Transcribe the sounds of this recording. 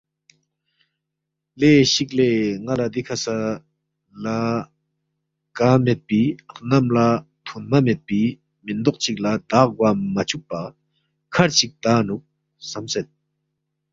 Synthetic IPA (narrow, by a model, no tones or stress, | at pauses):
leɕik̚leːŋalad̪ikʰasa | la | kamet̪̚pianamla | t̪ʰonmamet̪̚pi | mind̪ɔʔt͡ɕik̚lat̪aɡwamat͡ɕʰuk̚pa | kʰaɹt͡ɕik̚t̪anuk̚ | samset̪̚